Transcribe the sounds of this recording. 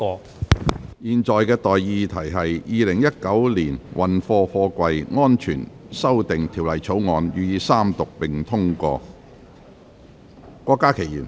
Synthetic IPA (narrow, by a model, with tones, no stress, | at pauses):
ɔː˧ | jiː˨˩nt͡sɔː˨jkɛː˧t̪ɔː˨jjiː˧t̪ʰɐ˨˩jɦɐ˨jjiː˨˧lɪ˨˩ŋjɐ˥t̚kɐ˨˥wliː˨˩nwʔɐ˨nfɔː˧fɔː˧kʷɐ˧jŋɔː˥nt͡ʃʰyː˨˩nsɐ˥wt̪ɪ˨ŋt̪ʰiː˨˩wlɐ˨˩jt͡sʰo˨˥wŋɔː˨˧njyː˨˧jiː˨˧saː˥mt̪ʊ˨k̚pɪ˨˩ŋt̪ʰʊ˥ŋkɔ̰ː˧ | kʷɔː˧kːaː˥kʰe˨˩jiː˨˩n